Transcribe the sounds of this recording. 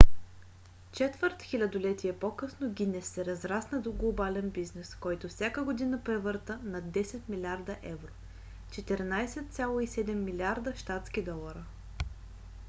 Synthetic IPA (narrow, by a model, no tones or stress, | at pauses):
t͡ʃɛt̪vəɾt̪xʲilʲɐd̪olɛt̪ʲiɛpokɤsnoɡʲinɛsːɛɾɐzɾasnəd̪oɡlˠobalɛnbiznɛskɔjt̪ofsʲjakəɡod̪inəpɾɛvɤɾt̪ənɐd̪ɛsɛt̪milʲaɾd̪əʔɛvɾo | t͡ʃɛt̪ɛɾnajsɛt̪̚t̪sʲalˠoisɛd̪ɛmːilʲaɾd̪əʃt̪at̪skid̪ɔlˠɐɾə